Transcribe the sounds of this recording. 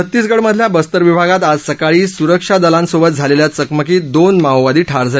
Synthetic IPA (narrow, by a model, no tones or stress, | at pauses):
ət̪ːiːsɡəɽməd̪ʱljabəst̪əɾʋibʱaɡat̪ad͡zsəkaɭiːsuɾəkʂad̪əlãnsobət̪̚d͡zʱaleljat͡səkməkiːd̪onmawʋad̪iːʈʰaɾd͡zʱal